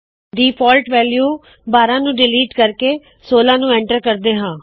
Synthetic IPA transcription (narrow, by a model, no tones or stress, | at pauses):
d̪iːpʰɔːlʈʋɛːljuː | baːɾãːnũːɖɪliːʈkəɾkeː | soːlãːnũːɛ̃ːɳʈəɾkəɾd̪eːɦãː